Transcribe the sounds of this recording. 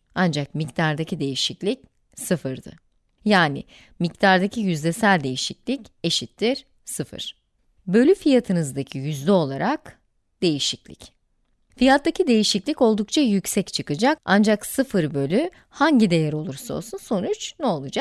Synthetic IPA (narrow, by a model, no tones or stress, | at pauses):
and͡ʒak̚mict̪ʰaɾd̪acʰid̪e̞jiʃiclʲic | sɯfɯɾd̪ɯ̰ | jaːnɪ̰ | mict̪ʰaɾd̪acʰijyzlʲesælʲd̪e̞jiʃiclʲice̞ʃit̪ːiɾ̥ | sɯfɯ̰ɾ̥ | bø̞lʲyfijat̪ʰɯnɯzd̪acʰijyzlʲɛo̞lˠaɾak | d̪̥e̞jiʃiclʲḭc | fijat̪ːacʰid̪e̞jiʃiclʲico̞lˠd̪uk̚t͡ʃʰajycsɛct͡ʃʰɯkɯd͡ʒaka̰nd͡ʒaksɯfɯɾbø̞lʲy | haɲɟid̪e̞jɛɾo̞lˠuɾsao̞̰lˠsunso̞nut͡ʃnɛo̞lˠud͡ʒak